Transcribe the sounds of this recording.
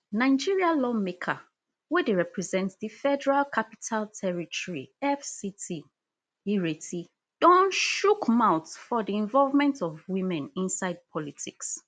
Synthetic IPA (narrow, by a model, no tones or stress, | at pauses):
nãɪd͡ʒiɹialɔmekʰa̰ | wedeɹɛpɹɛzɛ̃ntsdifɛdɛɹalkʰapi̥tʰalˠtʰɛɹitʰɔɹḭɛfsitʰi | iɹetʰi | d̥ɔ̃nʃukmaʊtfɔdiɛ̃ɱvɔlvmɛ̃ntɔvwĩmɛ̃nĩnsaɪd̚pʰɔlitʰiks